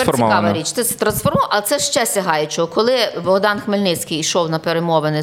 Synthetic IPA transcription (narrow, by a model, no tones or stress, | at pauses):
ɛkɑʋɐɾʲit͡ʃt̪ɛsɛt̪ɾɐnsfɔrmɔʔɐlt̪ɛʃt͡ʃɛsʲɐɦɑjʊt͡ʃɔɔkɔlˠɪbɔɦd̪ɑnxmelʲnɪt͡sʲkijiʃɔwnɐpeɾemɔʋenɪ